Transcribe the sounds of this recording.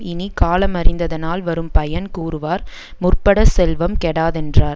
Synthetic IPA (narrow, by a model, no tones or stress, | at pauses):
ɪnikaːlɐmɐrɪnd̪ɐðɐnaːlʋɐɾɯmpɐjɐnkuːɾɯʋaːɾ | mʊrpɐɽɐsɛlʋɐmkɛɽaːðɛndraːɾ